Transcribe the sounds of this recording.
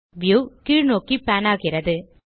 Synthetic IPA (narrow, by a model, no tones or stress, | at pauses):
ʋjuːkiːɻnoːkipaːnaːɣɪɾɐðɯ